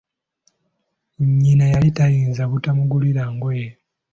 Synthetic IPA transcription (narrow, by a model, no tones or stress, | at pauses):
ɲinajalitajiːnzaβutamuɡuliɾaŋɡweːj